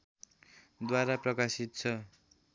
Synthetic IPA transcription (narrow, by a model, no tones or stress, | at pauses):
d̪waɾaprʌkasit̪̚t͡sʰʌ